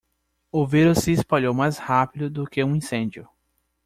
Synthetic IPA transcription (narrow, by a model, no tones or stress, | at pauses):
ʊveɾʊsɪːspaʎowmajshapid̪ʊd̪ʊkɪũĩsẽnd͡ʒʊ